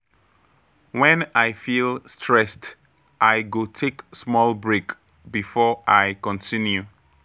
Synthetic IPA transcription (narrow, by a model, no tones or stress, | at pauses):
wɛ̃najfilˠstʰɹɛst | ʔajɡotʰeksmɔlˠbɹek | bifɔʔajkɔ̃ntʰĩnju